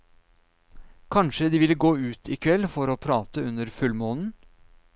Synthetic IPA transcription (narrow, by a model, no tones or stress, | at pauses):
kʰɑnʃəd̪iːʋɪləɡoːʉːt̪ʰɪːkʰʋɛlfɔɾoːpʰɾɑːt̪əʉnəɾfʉlmoːnn̩